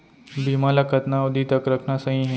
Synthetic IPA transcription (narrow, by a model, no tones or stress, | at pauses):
bimalakʰət̪naud̪it̪əkɾəkʰnasaɦĩɦe